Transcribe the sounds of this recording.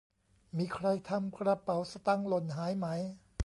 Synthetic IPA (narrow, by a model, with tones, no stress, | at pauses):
miː˧˩kʰɾa˧jt̪ʰa˧mkʰɾa˧pa˨˩˦wsa˧t̪a˧˥˩ŋlo˧˩nɦaː˩˦jma˦˥j